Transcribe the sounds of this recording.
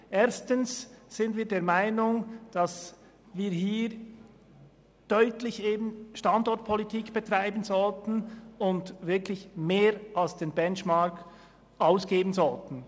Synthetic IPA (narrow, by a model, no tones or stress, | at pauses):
ʔeːɐstənssɪndviːɐdeːɐmaɪnʊŋd̥ɑs | viːɐɦiːɾ | d̥œʏtlɪçeːbən̩ʃtɑndɔt̚pʰɔlitʰiːkb̥ɛtʁ̥aɪbənzɔltn̩ʊndvɪɐklɪçmeːɾalsd̥eːnbɛnt͡ʃmɑk | ʔaʊsɡ̥eːbənzɔltn̩